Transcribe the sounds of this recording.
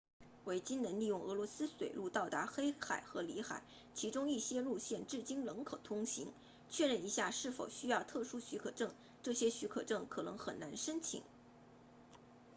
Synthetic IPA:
we˧˥ɪt͡ɕi˥nnə˧˥nli˥˧jʊ˥˩ŋɤ˧˥lwɔ˧˥sɹ̩˥swe˨˩ɪlu˥˧t̪ɑ˥˩ʊt̪a˧˥xe˥ɪxa˨˩ɪxɤ˧˥li˧˥xa̰˨˩ɪ | t͡ɕʰi˧˥ʈ͡ʂʊ˥ŋi˥˩ɕjɛ˥lu˥˧ɕjɛ˥˧nʈ͡ʂɻ̩˥˩t͡ɕi˥nlɤ˧˥ŋkʰɤ˨˩t̪ʰʊ˥ŋɕḭ˧˥ŋ | t͡ɕʰɥɛ˥˧ɻə˥˩ni˧˥ɕja˥˧ʂɻ̩˥˩fo˨˩ʊɕy˥jɑ˥˧ʊt̪ʰɤ˥˩ʂu˥ɕy˧˥kʰɤ˨˩ʈ͡ʂɤ˥˩ŋ | ʈ͡ʂɤ˥˩ɕjɛ˥ɕy˧˥kʰɤ˨˩ʈ͡ʂɤ˥˩ŋkʰɤ˨˩nɤ̰˧˥ŋxə˨˩na˧˥nʂə˥nt͡ɕʰḭ˨˩˦ŋ

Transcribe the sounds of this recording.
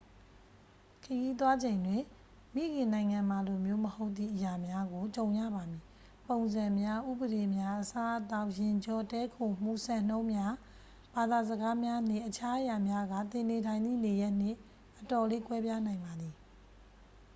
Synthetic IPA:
kʰəji˦t̪̬wa˦d͡ʑẽ˨ɪ̃ndwɪ̃˨ | mḭ˦˨ɡɪ̃˨nã˨ɪ̃ŋã˨ma˨lo˨mjo˦məho˦ʊt̪ːḭ˦˨ʔəja˨mja˦ɡo˨t͡ɕõ˨ʊ̃jä̰˦˨ba˨mji˨ | põ˨ʊ̃nzã˨mja˦ʔṵ˦˨bə˨ɾe˨mja˦ʔəsa˦ʔət̪a˦ʊʔjɪ̃˨ɲd͡ʑɔ˨tɛ˦kʰo˨m̥ṵ˦˨sɛ̃˦˨n̥õ˦ʊ̃mja˦ | b̥a˨d̪a˨zəɡa˦mja˦n̥ɪ̰̃˦˨ʔət͡ɕʰa˦ʔəja˨mja˦ɡa̰˦˨t̪ɪ̃˨ne˨tʰã˨ɪ̃nd̪ḭ˦˨ne˨jɛ˦ʔn̥ɪ̰̃˦˨ | ʔətɔ˨le˦kwɛ˦bja˦nã˨ɪ̃mba˨d̪i˨

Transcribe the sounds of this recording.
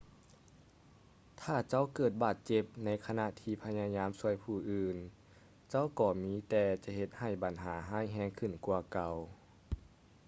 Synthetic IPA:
t̪ʰaː˧˩t͡ɕa˧˥˨wkɤː˨˩t̪̚baː˨˩t̪̚t͡ɕe˧˦p̚na˧˥jkʰa˧na˧˨ʔt̪ʰiː˧˩pʰa˧˥jaː˧ɲaː˧˥˨msu˧əjpʰuː˧˩ʔɯː˨˧˩n | t͡ɕa˥˨wkɔː˧˩miː˧˥t̪ɛː˧t͡ɕa˧he˧˦t̪̚ha˨˩jba˨˦nɦaː˩˦ɦaː˥˩jɦɛː˧˥ŋkʰɯ˧˩nku˧ɐka˧˩w

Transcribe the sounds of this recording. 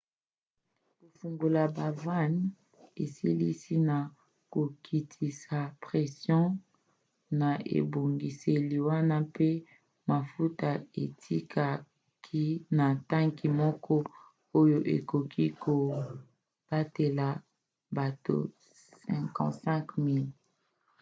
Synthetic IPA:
ko˨fu˨ŋɡo˨la˨ba˨va˦n | e˨si˦lḭ˦si˦na˨ | ko˨kʰi˨tʰi˨sa˨pʁɛ˨sjɔ̃˦ | na˨ḛ˨bo˨ŋɡi˨se˨li˨wa˦na˦pe˦ | ma˨fu˦ta˨ḛ˨tʰi˦kʰa˨ | kʰi˦na˨ta˦ŋki˨mɔ˦kɔ˦ | o˦jo˦ʔḛ˨ko˨kʰi˦ko˨ | b̥a˦te˨la˨ | ba˨to̰˨ | sɛ̃˨kɑ̰̃˨tsɛ̃˦kmi˦l

